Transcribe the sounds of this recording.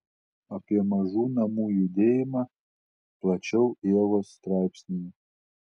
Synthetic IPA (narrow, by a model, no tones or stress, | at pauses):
ɐpʲiɛmɐʒuːnɐmuːjʊd̪ʲeːjɪmɐ | plˠɐt͡ʃʲɛʊeːʋost̪ɾɑˑɪpʲsʲnʲɪj